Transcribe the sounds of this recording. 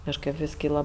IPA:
kɐʃˈkɜp ʋʲɪs ˈkʲiːlˠɐ

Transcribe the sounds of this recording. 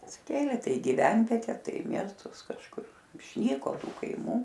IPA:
ɐtʲsʲɪˈkʲeːlʲeː ˈtɐɪ ɪ ɡʲɪˈʋʲɛnʲʋʲiɛtʲɛ ˈtɐɪ ɪ ˈmʲiɛstʊs kɐʃˈkʊr ɪʃʲˈnʲiːkoː ˈtuː kɐɪˈmuː

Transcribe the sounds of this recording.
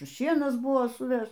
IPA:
ˈʃʲiɛnɐs ˈbʊʋoː sʊˈʋʲɛʃ

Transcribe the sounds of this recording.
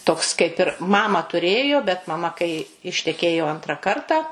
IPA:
ˈtoːks kɐɪp ɪr ˈmɑːmɑː tʊˈrʲeːjoː bʲɛt mɐˈmɐ kɐɪ ɪʃʲtʲɛˈkʲeːjoː ˈɐntrɑː ˈkɐrtɑː

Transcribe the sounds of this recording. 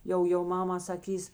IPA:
ˈjɛʊ jɛʊ ˈmɑːmɐ sɐˈkʲiːs

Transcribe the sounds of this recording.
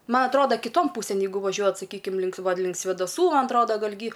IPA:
ˈmɐ ɐtˈroːdɐ kʲɪˈtoːn ˈpuːsʲeːn ˈjɛɪɡʊ ʋɐˈʒʲuɔjɛt sɐˈkʲiːkʲɪm lʲɪŋk ˈʋɐ ˈlʲɪŋk sʲʋʲeːdɐˈsuː ˈmɐn ɐtˈroːdɐ ˈɡɐlʲ ɡʲiː

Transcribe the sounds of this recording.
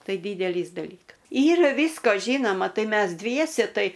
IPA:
ˈtɐɪ ˈdʲiːdʲɛlʲiːs dɐˈlʲiːkɐs ˈiːrɐ ʋʲiːskoː ˈʒʲiːnoːmɐ ˈtɐɪ ˈmʲɛs ˈdʲʋʲiɛsʲɛ ˈtɐɪ

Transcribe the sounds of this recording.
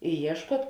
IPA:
ɪ ˈiɛʃkuɔt

